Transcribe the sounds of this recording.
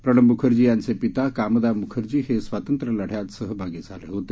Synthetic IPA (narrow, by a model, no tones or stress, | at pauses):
pɾəɽ̃əmbukʰəɾd͡ʑiːjansepit̪akaːməd̪aːmukʰəɾd͡ʑiːɦesʋat̪ənt̪ɾəlɐɽ̤jat̪səɦəbʱaɡid͡zʱalḛɦot̪e